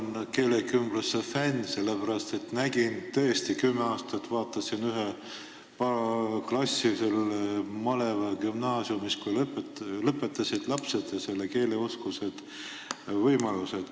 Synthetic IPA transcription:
nke̞ːlekymb̥lusːefænʲse̞lːepæɾɑst̪e̞t̪næɡ̥int̪ɤ̞est̪ikymːe̞ɑːst̪ɑt̪vɑːt̪ːˑɑsinyɦe | pɑklɑsʲːiselmɑle̞vɑkymnɑːsjumiskujlplɤpːˑe̞t̪ːˑɑsid̪̥lɑpse̞d̪̥jɑse̞lːeke̞ːle̞oskuse̞d̪̥ | vɤjmɑlused̪̥

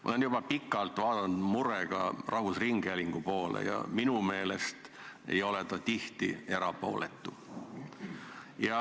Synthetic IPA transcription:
mʔɑ̰o̰lenjub̥ɑpikːˑɑlt̪vɑːd̪ɑnd̪̥muɾeɡ̥ɑ̰rɑɦusriŋɡ̥æliŋɡ̥upo̞ːlḛjɑ̰minume̞ːlest̪e̞̰jo̞le̞t̪ɑt̪iht̪ie̞ɾɑpo̞̰ːlet̪ˑːu | jɑ

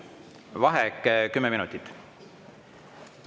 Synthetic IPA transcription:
vɑɦekːˑkymːɛminut̪ːˑit̪ːˑ

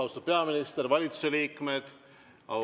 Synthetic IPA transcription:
wsopeɑminʲist̪ervɑlʲit̪u̥seliːkmet̪ | ɑ̰

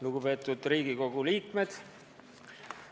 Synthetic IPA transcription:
nuɡupe̞ːt̪ːˑud̪riːɡ̥iko̞ɡ̥uliːkme̞d̪̥

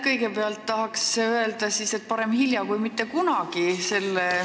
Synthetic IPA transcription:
kɤ̞jɡe̞peɑlt̪ːɑɦɑksːeøe̞ld̪ɑsise̞t̪̚ːpɑɾe̞mhiljɑkujmit̪ːe̞kunɑɡise̞lːe

